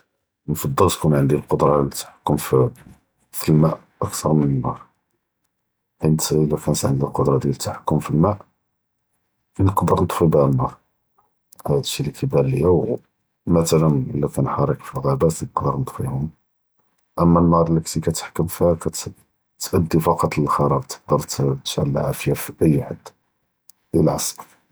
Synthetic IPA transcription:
nfɑd̪ˤːəlt̪kunʕənd̪ilqod̪ɾˤɑlt̪ːḁħḁkːʊmfi | filmæʔ | ʔəkt̪ʰɑɾˤmənənːɑɾˤ | ħint̪lækænət̪ʕənd̪ilqod̪ɾˤɑd̪jælət̪ːaħakːʊmfilmæʔ | kænəqɑd̪əɾˤnət̪ˤfibhənːɑɾˤ | hæd̪ʃilikibæɾləjæw | mæt̪ælənʔəlːækænħɑɾˤəkfilɣæbæt̪qd̪əɾˤnət̪ˤfihʊm | ʔəmːænːɑɾˤləkt̪ikæt̪ə̥ħkːʊmfihkæt̪ | t̪ʔæd̪ːifɑqɑt̪ˤləlxɑɾˤɑb̚t̪ə̥k̚d̪əɾˤt̪t̪ʃʕa̰lʕa̰fjæfiʔəjːħad̪ː | d̪ælʕɑsˤɾ

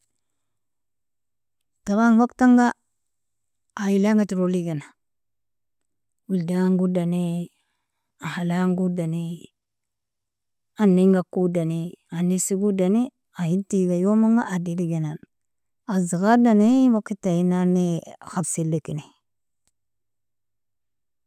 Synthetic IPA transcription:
taɾanwaktaŋɡa | jilaŋɡatiɾoliɡena | wuldaŋɡudane | ahalaŋɡudani | anːiŋɡakudaneanisiɡudani | ajintiɡajomaŋɡaʔadiɾiɡenan | aziɣadanewakːitainanexabsilːikine

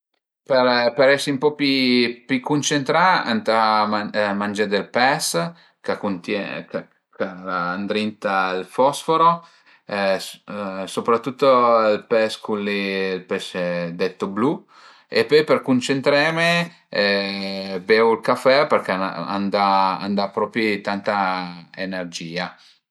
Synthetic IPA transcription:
perpeɾɛsiumpɔpipikunt͡ʃent̪ɾaa̰nt̪amamand͡ʒad̪elpɛs | kakont̪jɛk | kalaːnd̪ɾint̪ailfɔsfoɾo | sopɾat̪ːut̪ːoilpɛskunlelpɛsɛd̪ɛt̪ːoblu | ḛpɔjperkunt͡ʃent̪ɾɛme | bɛulkafɛperkea̰nd̪aa̰nd̪apɾɔpit̪ant̪aḛnerd͡ʒiːa

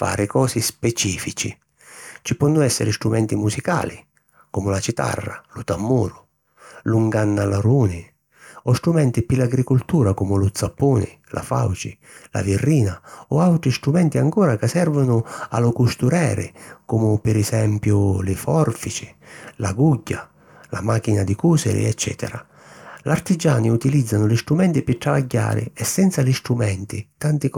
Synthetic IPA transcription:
fa̰ːɾɪkɔːsispɛt͡ʃiːfit͡ʃi | t͡ʃipɔnːʊɛsːɪ̰ɾɪst̪ɾumɛnt̪imusika̰ːli | kumʊlat͡ʃit̪a̰rːa̰lut̪amːuːɾʊ | luŋɡanːalaɾuːnɪ | ɔst̪ɾumɛnt̪ipilaɡɾikult̪uːɾakumʊlʊt̪sapːuːnɪ̰ | lʔa̰fa̰wt͡ʃɪ | la̰virːiːnaɔawt̪ɾist̪ɾumɛnt̪iaŋkɔːɾakasɛrvʊnʊa̰lʊkust̪uɾɛːɾɪ̰kumʊpɪɾɛsɛmpjʊlɪfɔrfit͡ʃɪ̥laɡuɟːa | lamak̟inad̪ikuːsɛ̰ɾɪ̰ɛt͡ʃːɛ̰ːt̪ɛ̰ɾa | lart̪id͡ʒaːniut̪ilid̪zːanʊlɪst̪ɾumɛnt̪ɪpɪt̪ːɾavaɟːa̰ːɾɪ̰ɛsːɛnt̪salist̪ɾumɛnt̪ɪt̪ant̪ɪ

